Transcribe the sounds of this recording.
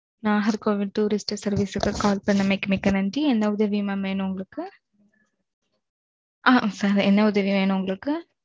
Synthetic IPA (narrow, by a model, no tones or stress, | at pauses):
naːɦɐɾkoːʋɪɖʈːuːɾɪsʈsɐɾʋisɯkːɯkaːlpɐɳːɐmɐɪkːɯmɪkːɐnɐnd͡ʒiɛnd̪ɐʊðɐʋimɐʋeːnʊ̃ʊŋɡɐɭɯkːɯ | aːsaɾɛnːɐʊðɐʋiʋeːɳʊ̃ʊŋɡɐɭɯkːɯ